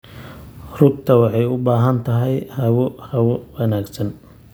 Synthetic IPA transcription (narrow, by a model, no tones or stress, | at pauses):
rʊɡt̪ʰɐwɑħɑjʊbaːɦɐnt̪ʰɐɦɛjhɐwɔhɐwɔwɐnaːɡsɐn